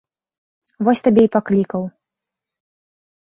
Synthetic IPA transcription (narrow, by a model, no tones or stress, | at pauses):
vɔsʲt̪abʲɛipaklʲikɐw